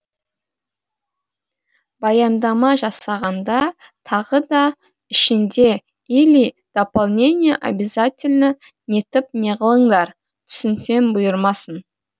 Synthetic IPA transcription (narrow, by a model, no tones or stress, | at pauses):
bɑjɑnd̪ɑmɑʒɑsɑʁɑnd̪ɑ | t̪ʰɑʁəd̪ɑ | ɪʃɪnd̪e̞ | ilʲij | d̪̥opalˠnʲe̞nʲɪjeʔa̰bʲɪzatʲɪlʲnə | nʲe̞t̪ɪp̚ne̞ʁəlˠəɴd̪ɑɾ | t̪ʰʏ̥sɪnse̞nbʊjəɾmɑsən